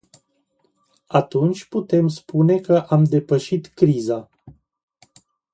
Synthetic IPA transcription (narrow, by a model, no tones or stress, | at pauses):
at̪unt͡ʃʲput̪e̞mspune̞kəʔamd̪e̞pəʃit̪kɾiza